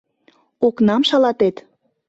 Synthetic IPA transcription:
oknɑmʃɑlɑt̪et̪

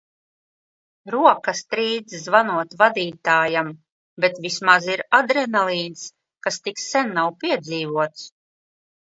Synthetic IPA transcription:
ɾuɔkast̪ɾiːd̪zzvanuɔt̪vad̪iːt̪aːjam | bɛt̪vismaziɾad̪ɾɛnalˠiːns | kast̪iksɛnːawpiɛd̪ziːvuɔt̪s

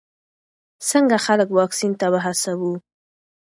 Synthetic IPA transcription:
səŋɡaxaləkwɑksint̪abəɦasawu

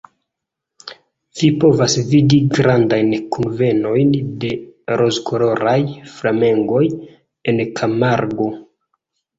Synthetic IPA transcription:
v̥ipo̞vasvidiɡɾandajnkunve̞no̞jnde̞ɾʔo̞zkoɾo̞ɾajflame̞ŋɡo̞j | enkʰamaɾɡo̞

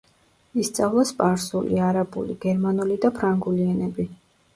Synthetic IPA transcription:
ist̪sʼavlˠaspʼaɾsulḭaɾabṵlḭɡ̥ɛɾmanulid̪apʰɾaŋɡuliɛnɛbi

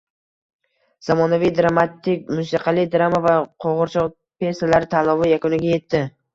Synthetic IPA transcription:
z̥amɒnavijd̪ɾamat̪ːɪk̚ʲmʊsiqʰɑlɪd̪ɾamavaqʰoʁʊɾt͡ʃʰɒ | pe̞salaɾɪt̪ʰalɒvɪjakʊnɪɡʲaje̞t̪ʰːɪ

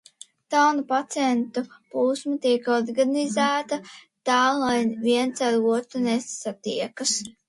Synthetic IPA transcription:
t̪awnupat̪sʲɛnt̪upuːsmat̪iɛkɔɾɡanizæːt̪ɐ | t̪ɑːlˠajviɛnt̪saɾuɔt̪ɾunesat̪iɛkɐs

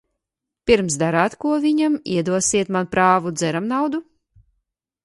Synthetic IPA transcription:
piɾms̬d̪aɾaːt̪kuɔviɲamiɛd̪uɔsiɛt̪manpɾaːvud̪zɛɾamnawd̪u

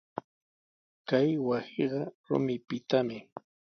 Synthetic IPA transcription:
kajwasiɢɑɾʊ̰mɪpɪt̪amɪ

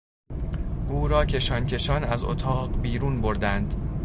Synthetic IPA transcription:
ʔuːɾɒːcʰe̞ʃɒːncʰe̞ʃɒnæzo̰t̪ʰɒːɢbiːɾuːnboɾd̪ænd̪

